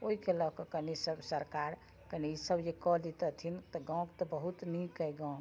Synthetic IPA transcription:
oɦikelɔkekənisəbsəɾkaɾ | kənisəbd͡ʒekɔlit̪ət̪ʰint̪ɔɡãw̃kt̪ɔbəɦut̪nikːəjɡãk

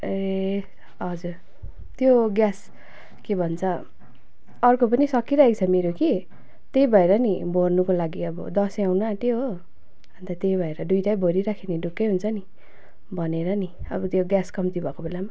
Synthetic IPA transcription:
e | ɦʌd͡zur | t̪joɡjas | kebʱʌnt͡sʰʌ | ʌrkopʌnisʌkːiɾʌekt͡sʰʌmeɾoki | t̪ejbʱʌeɾʌnibʱornukolaɡiʌbʌ̰d̪ʌsawnaʈ̪iɦo | bʌnt̪at̪ejbʱʌeɾʌɖujʈajbʱoɾiɾakʰeneɖukːeɦunt͡sʰʌni | bʱʌneɾʌni | ʌ̰bʌt̪joɡjaskʌmt̪ibʱʌkobelama

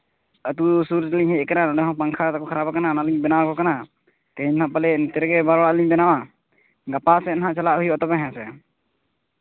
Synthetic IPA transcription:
ət̪usuɾt͡ʃaliɲɦhɛkaɾanɔdɛɦɔ̃paŋkʰaɾt̪akɔkʰaɾabakananaliɲbɛnawakɔkana | t̪ɛɦiɲɦaʔpalɛnit̪ɛɾɛɡɛbaɾɽaʔliɲbɛnawa | ɡapasɛnaɦaʔt͡ʃalaʔɦujbat̪ɔbɛɦɛ̃sɛ

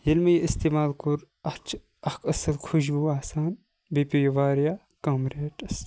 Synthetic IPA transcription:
jɐlmɐjɐist̪iːmaːlkuɾ | ɐt͡ʃʰ | ɐkɐsɐlkʰuʃbuaːsaːn | bipʲujɐʋaːɾjaː | kamɾeːʈɐs

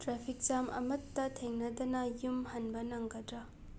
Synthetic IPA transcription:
tɾapʰik̚t͡ʃamʔɐ̰mɐt̪ːɐt̪ʰeŋnɐd̪ɐnɐjumhɐnbɐnɐŋɡɐdɾɐ

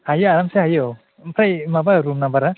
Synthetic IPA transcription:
hajaaɾamseajo | pʰɾajmabaɾumnabaɾa

